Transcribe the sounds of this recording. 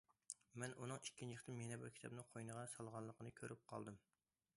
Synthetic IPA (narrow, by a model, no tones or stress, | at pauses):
mɛnunɨŋikʲʰːint͡ʃʰiχt̪ɨmenɛbɨɾkʲʰi̥t̪ʰp̚nɨqʰojnəʁɑsɑlˠʁɑnlˠːəqʰənɨkʲʰøɾyp̚qʰɑ̰lˠd̪ɨm